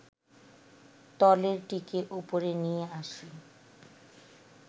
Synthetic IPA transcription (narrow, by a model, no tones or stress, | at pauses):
t̪ɔleɾʈikeʔupoɾenijeaʃi